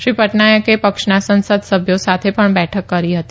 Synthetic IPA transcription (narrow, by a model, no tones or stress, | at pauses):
ʃɾipəʈnajəkepəkʂnasə̃nsəd̪səbʱjosat̪ʰepəɳbɛʈʰəkːəɾiɦət̪i